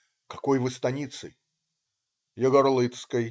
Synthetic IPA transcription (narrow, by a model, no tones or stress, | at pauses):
kɐ̥kojvɨst̪ɐnʲit̪sɨ | jəɡɔɾlˠɨt̪skəj